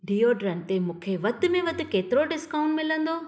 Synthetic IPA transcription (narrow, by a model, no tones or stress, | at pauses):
ɖiːoɖɾɐnt̪emũːkʰeʋɐt̪ʊ̆mẽʋɐt̪ɪ̆keːt̪ɪɾoɖɪskaːʊ̃ɳʈmɪlə̃nd̪oː